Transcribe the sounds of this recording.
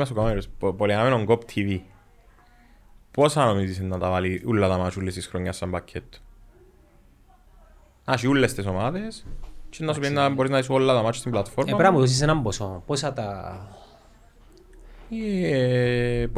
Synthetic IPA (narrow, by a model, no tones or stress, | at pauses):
mɐs̬okomaɾspoliamenoŋɡopt̪ʰivi | posanomisisenːɐt̪avaliʔulːɐt̪amat͡ʃʰulːest̪isxɾoɲːɐsːɐmbacʰːet̪ː | aʃiulːest̪isomaðest͡ʃenːas̬uinːaboɾiznais̬uolːɐt̪amat͡ʃʰu̥st̪imblat̪foɾmepɾamuðos̬is̬enɐmbosoposat̪a